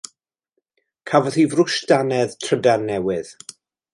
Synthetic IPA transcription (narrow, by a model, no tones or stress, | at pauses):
kʰavɔð̥ivrʊʃtanɛðtʰr̥ədarnɛwɪð̥